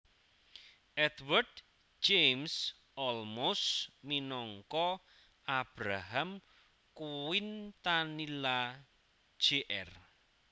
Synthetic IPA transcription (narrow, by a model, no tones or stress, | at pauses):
ʔɛd̪wərd | d͡ʒejms | ʔɔlmosminɔŋkɔ | ab̥ɾaɦam | kuwɪnt̪anilḁ | d͡ʒ̥eʔɛr